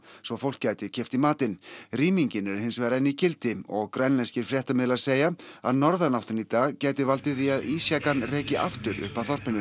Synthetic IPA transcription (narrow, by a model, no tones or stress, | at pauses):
sɔfowl̥kcaːjt̪ɪcʰɛft̪imaːt̪ɪnriːmiɲcɪnɛɾhɪnsvɛːɾaɪnːicɪlt̪ɪɔɣkɾajnlɛnscɪɾ̥fɾjɛht̪amɪðlaseːjaa̰ðnɔɾðanawt̪ɪnit̪aːɣcaːjt̪ɪvalt̪ɪθiaðiːsjakanrɛːcɪʔa̰ft̪ʏɾʏ̰hpaθɔr̥pɪnʏ